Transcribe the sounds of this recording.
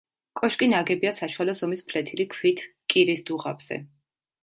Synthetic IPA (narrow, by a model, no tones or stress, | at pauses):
kʼɔʃkʼinaɡɛbiasaʃualɔzɔmispʰlɛt̪ʰilikʰwit̪ʰkʼiɾisd̪uʁa̰bz̥ɛ̰